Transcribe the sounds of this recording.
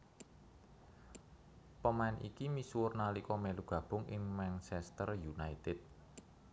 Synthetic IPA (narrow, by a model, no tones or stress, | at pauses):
pəmaɪnʔikimiswʊrnalikɔmɛluɡ̥ä̤b̥ʊ̤ŋʔɪ̰ŋmɛnt͡ʃɛst̪ərjunait̪ɪt̪̚